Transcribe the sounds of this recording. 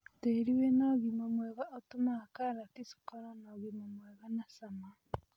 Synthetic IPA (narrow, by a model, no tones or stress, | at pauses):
teɾiwenaɣimamweɣaʔotumakaɾatisu̥kaɾanaɣimamwɛɣanasama